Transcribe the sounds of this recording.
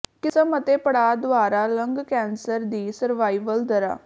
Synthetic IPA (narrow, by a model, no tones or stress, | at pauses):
kɪsəmət̪eːpəɽaːd̪ʊaːɾaːləŋɡkɛ̃ːnsəɾd̪iːsəɾʋaːiːʋəld̪əɾa̰ː